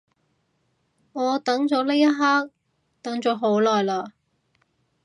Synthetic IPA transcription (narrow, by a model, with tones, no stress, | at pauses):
ŋɔː˨˧t̪ɐ˨˥ŋt͡ʃɔː˨˥le˥jɐ˥ɦaː˥k̚ | t̪ɐ˨˥ŋt͡ʃɔː˨˥ɦo˨˥wlɔː˨˩jlaː˧